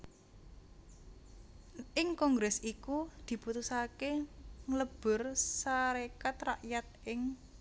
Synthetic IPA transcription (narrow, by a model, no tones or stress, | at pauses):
ʔɪŋkɔŋɡɾɛsikud̪̥i̤put̪usakeŋləb̥ʊ̤rsaɾekat̪raʔjat̪̚ʔɪŋ